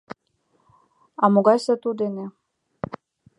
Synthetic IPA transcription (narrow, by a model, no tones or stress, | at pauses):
ɑmoɣɑjsɤt̪ud̪ene